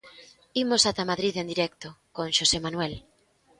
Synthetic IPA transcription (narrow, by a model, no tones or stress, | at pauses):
imosat̪amaðɾiðend̪iɾɛk̚t̪okõŋʃosemanwɛl